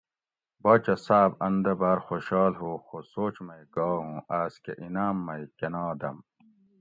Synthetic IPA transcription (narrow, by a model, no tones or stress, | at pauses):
bɐːt͡ɕɐsaːbɐnd̪ɐbaːɾxoɕɑːlɦoːxosoːt͡ɕmɐjɡɔːɦũːʔaːskḛʔinaːmːɐjkenaːd̪ɐ̰m